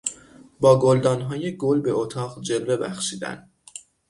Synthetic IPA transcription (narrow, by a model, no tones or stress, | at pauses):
bɒːɡold̪ɒːnɦɒːje̞ɡolbe̞ot̪ʰɒːʁd͡ʒe̞lve̞bæxʃiːd̪æ̰n